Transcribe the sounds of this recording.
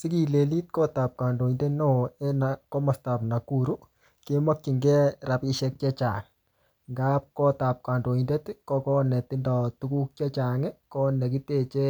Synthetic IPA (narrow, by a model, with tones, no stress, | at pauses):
si˦ki˨le˨li˦t̚kɔ˦ta˨p̚ka˨ndo˨i˨nde˦nɔ˦ɛ˦nakɔ˦ma˨sta˨pna˨kuɾu˦ | ke˦ma˦kːi˨ŋɡɛ˦ɾa˨pi˦ʃɛ˦k̚t͡ʃɛ˦t͡ʃa̰˨ŋ | ŋɡa˦p̚kɔ˦ta˨p̚ka˨ndo˨inde˦tkɔ˦kɔ˦nɛ˨tɪ˦ndɔ˨tu˦ku˦k̚t͡ʃɛ˦t͡ʃa˨ŋɛ˦kɔ˦nɛ˨k̬i˦te˦˨t͡ʃɛ˦